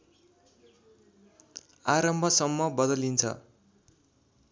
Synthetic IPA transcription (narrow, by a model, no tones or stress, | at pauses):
aɾʌmbʱʌsʌmːʌbʌd̪ʌlint͡sʰʌ̰